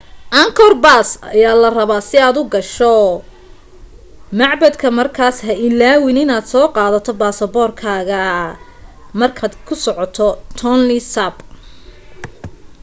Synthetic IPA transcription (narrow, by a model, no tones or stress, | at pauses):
ʔɐŋkʰɔrbasɐ̰jaːlɐrɐβaːsɪaːd̪ʊɡɐʃɔ | mɑʕbɐd̪kʰɐmɐrkʰaːsɦɐɪlaːwɪnɪnaːd̪sɔːqɑːðɐt̪ʰɔbaːsɐbɔːrkʰaːɣɐ | mɐrkʰaːd̪kʰʊsɔʕɔt̪ʰɔt̪ʰɔnlɪsab